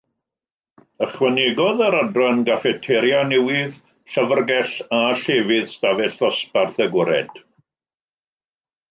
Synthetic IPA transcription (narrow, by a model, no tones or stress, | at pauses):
əχwɛnɛɡɔðaɾadranɡafɛtʰɛɾjanɛwɪð | ɬəvərɡɛɬaɬevɪðstavɛɬɔsparðəɡɪɾɛ̰d̥